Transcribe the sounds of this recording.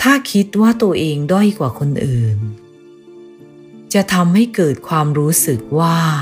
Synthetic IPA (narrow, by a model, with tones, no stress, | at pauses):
t̪ʰaː˥˩kʰi˦˥t̪̚waː˥˩t̪u˧ɐʔeː˧ŋdɔ˥˩jkwaː˨˩kʰo˧nʔɯː˨˩n | t͡ɕa˨˩t̪ʰa˧mha˥˩jkɤː˨˩t̪̚kʰwaː˧mɾuː˦˥sɯ˨˩k̚waː˥˩